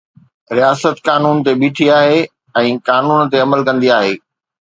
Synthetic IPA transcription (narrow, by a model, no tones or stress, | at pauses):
ɾijaːsət̪kaːnuːnt̪eɓiːʈʰiaːɦe | ɛ̃ːkaːnuːnt̪eɐməlkɐ̃nd̪iaːɦeː